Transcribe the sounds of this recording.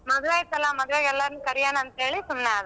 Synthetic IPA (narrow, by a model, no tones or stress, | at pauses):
mɐd̪uʋaːjit̪ːɐlːamɐd̪uʋeːɡɛlːaɾnukɐɾijaːnɐnt̪ɐɦe̞ːɭisumneaːd̪